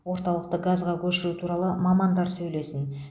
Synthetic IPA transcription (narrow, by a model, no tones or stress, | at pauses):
wo̞ɾt̪ɑlˠəq̚t̪əɡazʁɑkʲʰɵʃɪɾut̪ʰuɾɑlˠəmɑmɑnd̪ɑɾsɵjle̞sɪn